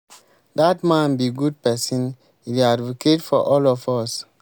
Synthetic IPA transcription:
datmãnbiɡud̚pɛsĩn | idiadvokʰetfɔ̰ʔɔlɔfɔs

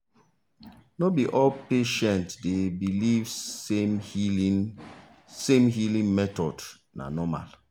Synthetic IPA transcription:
nɔbiʔɔlpeʃɛ̃ntdebiliv | sẽmɦilĩŋmɛtɔd | na̰nɔma̰l

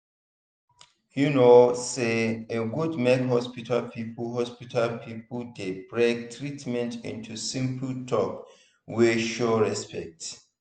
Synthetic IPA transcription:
hunoseeɡudmɛɡɦɔspitʰalpʰipɦɔspitʰalpʰipudebɹek̚tʰɹitmɛ̃ntḭ̃ntʰusĩmpltʰɔk | wiʃoɹɛspʰɛ̰k̚t

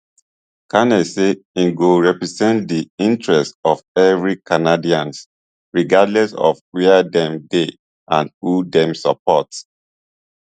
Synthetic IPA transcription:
kʰanɛseĩnɡoɹɛpɹizɛ̃ntdiĩntɹɛstɔvɛvɹikʰanadiãns | ɹiɡadlɛsɔ̰vwɛdɛ̃mde | ʔãnhudɛ̃msap̚ʰɔts

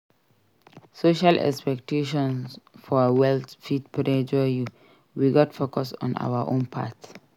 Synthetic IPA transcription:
soʃalʔɛ̰kspɛk̚tʰeʃɔ̃nsfɔwɛltfidpʰudɛ̃nd͡ʒɔju | wiɡɔtfokɔsɔ̰̃na̰waʔõ̰npʰa̰t

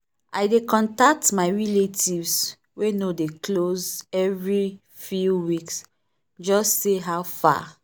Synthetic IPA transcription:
ajdekɔ̃ntak̚tmaɪɹiletʰivs | wenodeklozɛvɹi | fjuwiks | d͡ʒɔstːeɦawfa̰

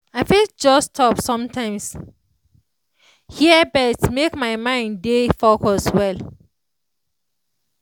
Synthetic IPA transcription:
aɪfild͡ʒɔstʰɔpsɔ̃mtʰãɪ̃ms | hiəbɛtmekmaɪmãɪ̃ndefokɔswɛl

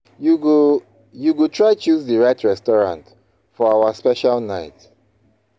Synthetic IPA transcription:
juɡutʰɹaɪt͡ʃuzðəɹaɪtʰɹɛstɔɹã̰nt | fɔawaspɛʃalˠnaɪt

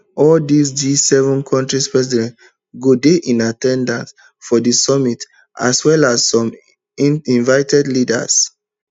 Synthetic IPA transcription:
ɔldis̬disɛvɔ̃nkʰɔ̃ntɹispɹɛsidɛ̃nt | ɡodeʔĩnatɛ̃ndãns | fɔdisɔmit | ʔa̰swɛlassɔ̃m | iĩnvaɪtʰɛdlida̰s

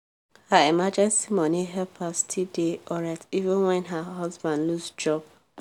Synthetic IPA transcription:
haimad͡ʒɛ̃nsimɔniɦɛpʰastʰideɔɹativə̃nwɛ̃nɦaɦɔzbãndlusd͡ʒɔb

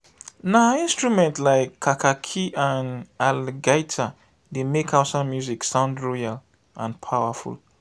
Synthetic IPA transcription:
naĩnstɹumɛ̃ntlaɪkʰːakʰakʰiʔãnalɡajtʰa | demekʰaʊtsãmːjuziksãʊ̃ndɹɔjal | ʔãnpʰawəfṵl

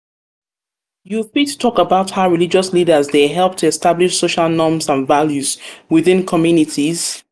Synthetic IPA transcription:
jufitʰtʰɔkəbaʊthaʊɹilid͡ʒɔslidəzðeɦɛlˠp̚tʰuɛstabliʃsoʃalˠnɔ̃mzə̃nvaljuzwɪðɪ̃nkʰɔmjunitʰiz̥

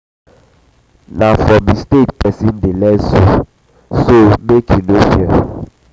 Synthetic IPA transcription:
nafɔmistet̚pɛsĩn̩delɛzo | somekʰunofiə

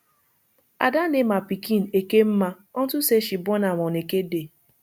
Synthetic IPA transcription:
a̰danemapikin̩ekem̩ma | ɔn̩tʊseʃibɔnamɔnekede

